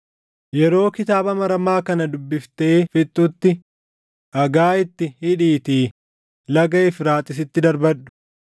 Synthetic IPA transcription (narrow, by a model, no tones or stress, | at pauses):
jɛɾo̞ːkɪt̪aːbɐmɐɾɐmaːkɐnɐd̪ʊbːɪft̪eːfɪt̪ʼːʊt̪ːɪ | ʔɐɡaːɪt̪ːɪhɪᶑiːt̪iː | lɐɡɐɪfɾaːt̪ʼːɪs̬ɪt̪ːɪd̪ɐɾbɐᶑːʊ̥